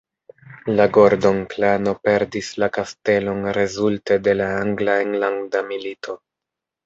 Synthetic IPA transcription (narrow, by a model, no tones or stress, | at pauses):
laɡoɾdo̞nklano̞pe̞ɾdislakaste̞lo̞nɾe̞zulte̞de̞laaŋɡlaeŋlaŋdamilitʰo̞